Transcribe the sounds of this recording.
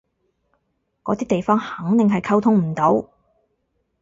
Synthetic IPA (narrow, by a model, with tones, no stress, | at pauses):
kɔː˨˧t̪iː˥t̪e˨jfɔː˥ŋhɐ˨˥ŋt̪ɪ˨ŋɦɐ˨jkʰɐ˥wt̪ʰʊ˥ŋm̩˨˩t̪o˨˥w